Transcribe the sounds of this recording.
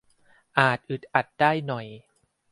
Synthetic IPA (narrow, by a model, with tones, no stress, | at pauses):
ʔaː˨˩t̪̚ʔɯ˨˩t̪̚ʔa˨˩t̪̚daː˥˩jnɔ˨˩j